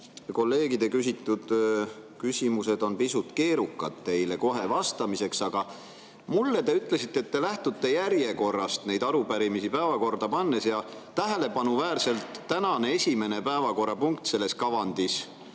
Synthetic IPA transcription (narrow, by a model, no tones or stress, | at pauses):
ko̞lːe̞ːɡid̪̥e̞kysit̪ˑːud̪̥kysʲimuse̞d̪̥o̞npisut̪ke̞ːɾukˑːɑd̪̥t̪e̞jle̞ko̞ɦe̞vɑst̪ɑmise̞ksɑɡ̥ɑ | mulːe̞t̪e̞yt̪ˑle̞sit̪ːeːt̪ːe̞læht̪ut̪ːe̞jæɾje̞ko̞rːɑst̪ne̞jd̪ɑɾupæɾimisipæevɑko̞rd̪̥ɑpɑnːe̞sjɑt̪æɦe̞le̞pɑnuvæːrse̞lt̪ːænɑneesʲime̞ne̞pæevɑko̞ɾːɑpuŋk̚t̪se̞lːe̞skɑvɑnd̪̥is